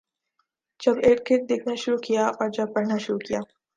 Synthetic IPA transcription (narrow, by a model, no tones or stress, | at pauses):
d͡ʒɐbeːʈkek̚d̪eːkʰnaʃʊɾukijaʔɔːɾd͡ʒɐb̚pɐɽ̤naʃʊɾukijaː